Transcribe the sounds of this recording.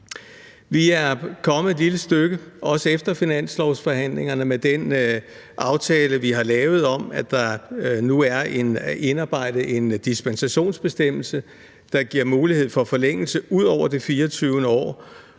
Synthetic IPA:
ʋiæɐkʰɒ̽mð̩ˠe̝d̥liləsd̥øɡ̥əʔɒ̽səefd̥ɐfinæn̰slɒʊsfɒ̽ɦæn̰le̝ŋɐnəmed̥en | ʔɑ̈ʊt͡sʰɛːləʋiɦɑ̈lɛːʊð̩ˠɒ̽mæd̥ɑ̈nuæɐene̝nɑ̈ːb̥ɑ̈ɪ̰d̥ð̩e̝nd̥isb̥ensæɕo̝̰ːnsb̥e̝sd̥em̰l̩sə | d̥ɑ̈ɡ̥iɐ̰muːlihe̝ð̞̰ˠfɒ̽fɒ̽leŋ̰l̩səuð̰ˠɒʊ̰ɐd̥ifiːɐt͡sʰyʊnəɒ̰ː

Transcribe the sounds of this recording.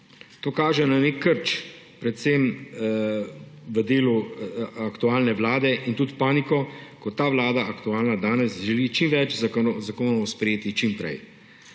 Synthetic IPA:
t̪oːkaːʒɛnanekʰːəɾt͡ʃ | pɾɛt̪sem | ʋəd̪eːluakt̪uaːlnɛʋlaːd̪ɛʔint̪ut̪paːnikɔkɔt̪ːaːʋlaːd̪aʔakt̪uaːlnad̪aːnɛsʒɛliːt͡ʃimʋɛt͡ʃzzakoːnɔʋɔspɾɛjeːt̪it͡ʃimpɾɛ̰j

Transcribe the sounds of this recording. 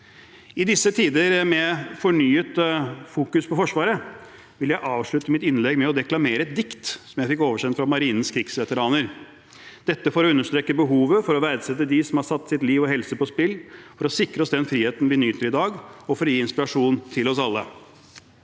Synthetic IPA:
ɪd̪ɪsːət̪ʰiːd̪əɾmɛfɔɳyːət̪fuːkʉspɔfɔʂʋɑːɾə | ʋɪljæɪʔɑːʋʂɭʉt̪əmɪt̪ɪnlɛɡmɛɔd̪ɛklɑmeːɾəɛt̪̚d̪ɪkt̪sɔmjæɪfɪk̬ːoːʋəʂɛnfɾɑmɑɾiːnn̩skʰɾɪɡsʋɛt̪əɾɑːnəɾ | d̪̥ɛt̪ːəfɔɾɔʉnːəʂt̪ɾeːkːəbəɦuːʋəfɔɾɔʋæɾd̪sɛt̪ːəd̪ɪsɔmhɑsɑt̪ːsɪt̪liːʋɔhɛlsəpɔspɪlːfɔɾɔsɪkɾəɔsd̪ɛnfɾiːheːt̪n̩ʋɪnyːt̪əɾɪd̪ɑːɡɔfɔɾɔjiːɪnspɪɾɑʂuːnt̪ʰɪlɔsɑlːə̰

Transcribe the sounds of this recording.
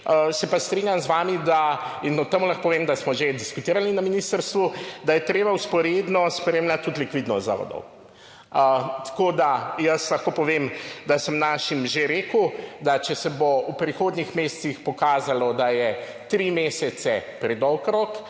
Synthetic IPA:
əsɛpast̪ɾinʲjamzʋaːmid̪ainɔt̪ɛmulaxkopɔʋemd̪asmɔʒed̪iskut̪iːɾalninɐminist̪əɾst̪ʋud̪ajɛt̪ɾeːbawspɔɾeːd̪nɔspɾemlʲat̪̚tːut̪likʋid̪nɔst̪za̰ʋɔ̰d̪ɔ̰w | ət̪ḁkoːd̪ajəslaxkoːpɔʋeːmd̪asəmnaːʃimʒeɾeːkud̪at͡ʃɛsɛboupɾixoːd̪nixmeːst̪sixpɔkaːzalɔd̪ajɛ | t̪ɾimeːsɛt̪sɛpɾɛd̪ɔwkɾok

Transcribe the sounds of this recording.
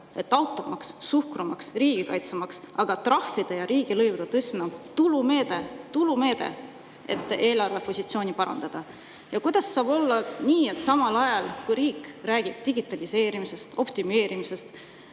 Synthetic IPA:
e̞t̪ːˑɑwt̪ˑːo̞mɑksːuhkrumɑksriːɡ̥ikɑjt̪semɑksɑɡ̥ɑt̪rɑfːid̪̥e̞jɑɾiːɡ̥ilɤjvud̪̥et̪ɤsʲmnot̪ulume̞ːd̪̥e̞t̪ulume̞ːd̪̥ḛ | e̞̰t̪ːˑe̞ːlɑrvepo̞sʲit̪sio̞ːnipɑɾɑ̰nd̪̥ɑd̪̥ɑ | jɑkujd̪̥ɑsːɑːbo̞lːɑniːet̪ːˑsɑmɑlɑjɑlkujɾiːkræːɡ̥ib̥̚t̪iɡ̥it̪ːˑɑlise̞ːɾimise̞st̪o̞pt̪ime̞ːɾimise̞st̪

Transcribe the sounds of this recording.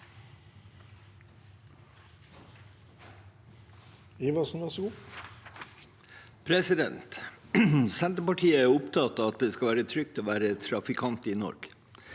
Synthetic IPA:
iːʋɑsnʋɑsɡuː | pʰɾɛsɪd̪ɛ̰nt̪ | sɛnt̪əpɑʈʰiːəæːʊpt̪ʰɑt̪ɑt̪̚d̪eːskɑlʋæːɾət̪ʰɾʏk̚t̪ʰoːʋæːɾət̪ʰɾɑfɪkʰɑnt̪iːnɔ̰ɾɡ̥

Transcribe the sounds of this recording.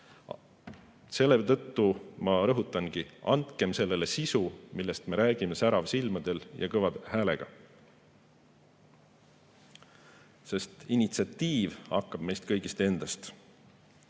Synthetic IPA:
se̞lːet̪ɤ̞t̪ːumɑɾɤɦut̪ːˑɑnɡ̥iɑ̰nt̪ke̞mse̞lːe̞le̞sisumilːe̞st̪me̞ɾæːɡ̥ime̞sæɾɑvsilmɑd̪̥e̞ljʔɑ̰kɤvɑd̪hæːle̞̰ɡ̥ɑ̰ | se̞st̪inʲit̪siɑt̪ːiːvɑkːɑb̥̚me̞jst̪̚kɤjɡist̪e̞nd̪̥ɑst̪

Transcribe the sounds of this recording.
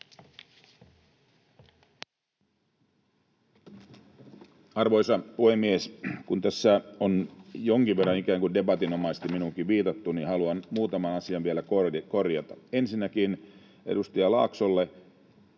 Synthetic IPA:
ɑrʋo̞jsɑpuhemːieskunt̪æsːæonjo̞ŋkiʋʋe̞rːɑnikæːŋkunde̞bɑt̪ino̞mɑist̪iminuŋkiʋʋiːt̪ɑt̪ːuninhɑluɑnmuːt̪ɑmɑnɑsiɑʋʋielækoko̞rjɑt̪ɑe̞nsinːækin | ʔḛdust̪ɑjɑlɑ̰ːksolːe

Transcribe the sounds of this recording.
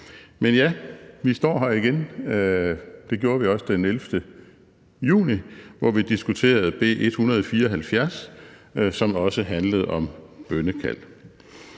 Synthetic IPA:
menjæʋisd̥ɒ̰ːɦæiɡ̥en | d̥e̝ɡ̥jo̝ːɐʋiɒ̽səd̥enelfd̥ə | jṵːniʋɒʋid̥isɡ̥ut͡sʰe̝̰ːɐð̞̩ˠb̥e̝̰ːʔe̝d̥hunɐð̞̩ˠɒfiːɐɒ̽ɦælfjæɐs | sɒ̽mɒ̽səɦænləð̞̩ˠɒ̽mb̥œnəkʰæ̰l̰

